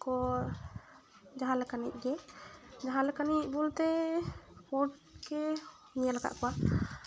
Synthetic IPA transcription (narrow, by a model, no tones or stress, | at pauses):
kɔ | d͡ʒaɦalɛkanic̚ˀɡɛd͡ʒaɦalɛkanic̚bult̪ɛ | pɔʈkɛ | ɲalaɡa̰ʔkɔwa